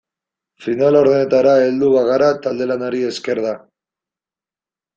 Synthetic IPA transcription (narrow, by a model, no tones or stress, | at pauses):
finalo̞ɾðene̞t̪aɾae̞ld̪uβaɣaɾat̪ald̪e̞lanaɾie̞ske̞ɾða